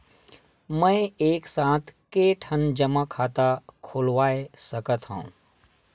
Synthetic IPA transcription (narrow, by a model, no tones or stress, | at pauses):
mə̃ɪeːksãːt̪ʰkeːʈʰənd͡ʒəmakʰaːt̪akʰoːlʋaːesəkət̪ɦõ̰ṵ̃